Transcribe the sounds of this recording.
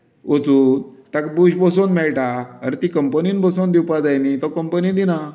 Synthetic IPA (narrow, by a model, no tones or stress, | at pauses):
ʋət͡suːt̪akbud͡ʑbɔsonmɛɭʈaəɾt̪ikəmpəniːnbəsond̪iwpad͡zajnit̪ɔkəmpənid̪ina